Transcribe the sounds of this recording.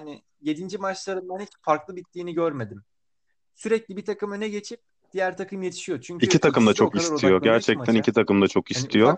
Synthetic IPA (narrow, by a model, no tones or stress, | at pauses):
aːni | je̞d̪ind͡ʒimat͡ʃlˠaɾɯnbanicfaɾklˠɯbit̪ːiːniɟøɾme̞d̪im | syɾɛclʲibit̪ʰakɯmønɛɟe̞t͡ʃʰip̚ | d̪̥ijæɾt̪ʰakʰɯmje̞t̪ʰi̥ʃijot͡ʃʰyɲiyit̪ʰakɯmd̪at͡ʃʰo̞kistʰijo̞ɟæɾt͡ʃʰɛct̪ʰænicʰit̪ʰakɯmd̪at͡ʃʰo̞kist̪ʰijo̞